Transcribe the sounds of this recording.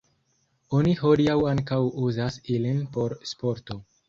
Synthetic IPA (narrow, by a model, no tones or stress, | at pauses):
oniɦodiawaŋkawuzasilinpo̞ɾspo̞ɾto̞